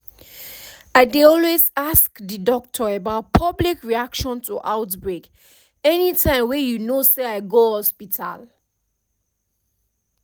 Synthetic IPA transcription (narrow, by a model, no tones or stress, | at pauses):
aɪdeɔlwezaskdədɔk̚tʰɔəbaʊt̚pʰʌblikɹiakʃɔ̃ntʰuʔaʊtbɹek | ɛnitʰãɪ̃mwɛjunoseaɪɡohɔspitʰa̰l